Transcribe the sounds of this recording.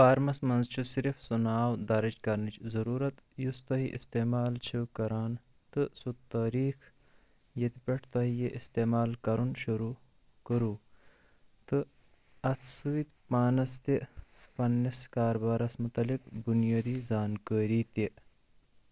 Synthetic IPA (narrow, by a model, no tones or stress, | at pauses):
paːɾmɐsmɐnzt͡ʃʰusiɾifsunaːwd̪aɾɐd͡ʒkɐɾnit͡ʃʰzɐɾuːɾɐt̪just̪ɐɦiʔist̪emaːlt͡ʃʰiwkɐɾaːn | t̪ɨsut̪aːɾiːx | jet̪ipeʈʰt̪ɐɦijeʔist̪eːmaːlkɐɾunʃuɾu | kɐɾu | t̪ɨ | ɐt̪ʰsɨːt̪paːnɐst̪epɐnːiskaːɾbaːɾɐsmut̪ɐlikbunjaːd̪izaːnkəɾit̪e